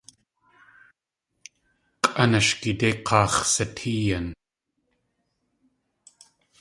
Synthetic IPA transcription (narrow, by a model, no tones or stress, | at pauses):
qʼʔɐnaʃkit̪eqʰɑːχsɐtʰiːjɐn